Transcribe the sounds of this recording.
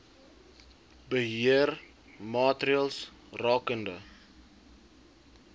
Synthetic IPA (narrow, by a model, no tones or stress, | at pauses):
bəɦiər | mɑːtriəlˠs | rɑːkəndə